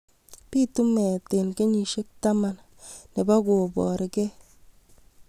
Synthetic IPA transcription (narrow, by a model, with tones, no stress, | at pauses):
pi˦tu˦mɛ˨te˨nke˦ɲi˨ʃe˦k̚ta˦ma˦n | ne˨ba˦ɡo˨bɔ̰˨ɾɪ˨ɡɛ˦